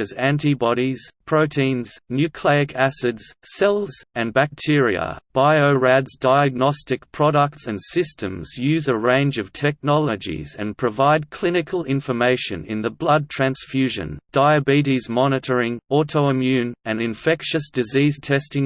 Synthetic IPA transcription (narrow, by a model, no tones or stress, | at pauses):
ɨzæ̃ntibɑɾiz̥pʰɹ̥oʊtʰĩnz̥njʉkʰl̥eɪɨkʰæsɨdz̥sɛlˠz̥ɨ̃nbæk̚tʰɪɹiə̰b̥aɪoʊɹædzdaɪɨɡ̚nɑstɨk̚pʰɹ̥ɑɾək̚tsɨ̃nsɪstʰɨ̃mz̥jʉzəɹẽɪ̃nd͡ʒʌv̥tʰɛk̚nɑlˠəd͡ʒḭzɨ̰̃npʰɹ̥ɨvaɪd̚kʰl̥ɪ̃nɨkʰəl̩ˠɪ̃ɱfə˞meɪʃɨ̰̃nɨ̰̃nðɨblʌd̚tʰɹ̥æ̃nsfjʉʒɨ̰̃nd̥aɪɨbiɾizmɑñɨɾə˞ɪ̃ŋɔɾəoʊɨ̃mjʉ̃nɨ̃nɨ̃ɱfɛkʃɨsd̥ɨziz̥tʰɛstɪ̃ŋ